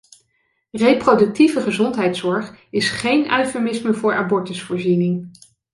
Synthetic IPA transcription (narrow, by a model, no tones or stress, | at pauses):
reprodɵk̚tivəχəzɔntɦɛjtsɔɹχɪsχejnʔœɥfəmɪsməvʊːɹʔabɔɹtəsfʊːɹzinɪŋ